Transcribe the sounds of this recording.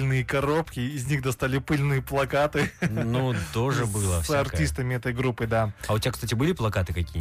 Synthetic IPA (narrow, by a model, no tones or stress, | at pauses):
lʲnɨjəkɐɾo̞pkʲɪːzʲnʲixd̪ɐst̪alʲɪpɨlʲnɨjəplˠɐkat̪ɨnut̪oʐɨbɨlˠəsɐrtʲist̪əmʲɪɛt̪əjɡɾupːɨd̪aɐʊtʲɪakst̪atʲɪbɨlʲɪplˠɐkat̪ɨkɐkʲiːə